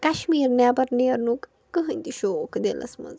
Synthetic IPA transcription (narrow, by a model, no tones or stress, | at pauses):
kɐʃmiːɾnabɐɾneːɾnukː | ɨɦɨnʲt̪iʃoːkd̪ḛlʔɐ̰smɐ̰z